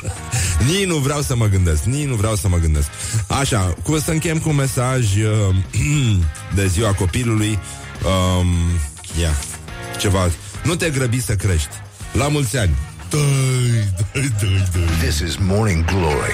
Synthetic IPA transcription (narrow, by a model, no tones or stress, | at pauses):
ninuvɾeawsəməɡɨnd̪e̞skninuvɾeawsəməɡɨnd̪e̞sk̚aʃakumsəɨŋkʲeemkunme̞saʒə | d̪e̞ziwako̞piluluj | əm | ja | t͡ʃe̞va | nut̪eɡɾəbisəkɾe̞ʃt̪ʲ | lamult̪sʲanʲ | t̪əjt̪əjt̪əjt̪əjðɪsɪzmɔɹnɪ̃ŋɡloɹḭ